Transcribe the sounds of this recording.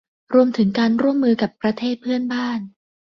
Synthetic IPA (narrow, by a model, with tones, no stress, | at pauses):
ɾu˧əmt̪ʰɯ˩˦ŋkaː˧nɾu˥˩əmːɯː˧ka˨˩pːɾa˧t̪ʰeː˥˩t̪̚pʰɯ˥˩ənbaː˥˩n